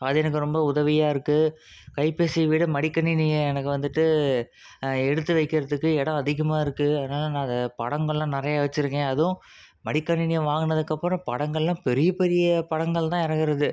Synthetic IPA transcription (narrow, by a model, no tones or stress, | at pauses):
ɐðɯɛnɐk̬ːɯɾɔmbɐʊðɐʋɪjaːɪɾɯkːɯ | kɐɪpeːsɛʋɪɽɯmɐɽɪkːɐnɪnɪjɐɛnɐkːɯʋɐnd̪ɯʈːɯ | ɛɽɯt̪ːɯʋɐɪkːɪɾɐðɯkːɯɛɽɐ̃ɐðɪɣɐmaːɪɾɯkːɯɐðnaːlɐnãːɐnd̪ɐpɐɽɐŋɡɐɭlãːnɪɾɐjaːʋɐt͡ʃːɪɾɯkːẽːɐðʊ̃ | mɐɽɪkːɐnɪnɪjɐʋaːŋɡɯnɐðɯkːɐpːɾɐ̃pɐɽɐŋɡɐɭlãːpɛɾɪjɐpɛɾɪjɐpɐɽɐŋɡɐɭt̪ãːɪɾɐŋɡɪɾɐðɯ